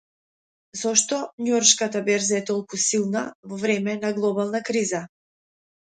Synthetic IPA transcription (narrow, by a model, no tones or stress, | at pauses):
zɔʃt̪ɔɲɔɾʃkat̪abɛɾzaɛt̪ɔlˠkusilˠnavɔvɾɛmɛnaɡlˠɔbalˠnakɾiza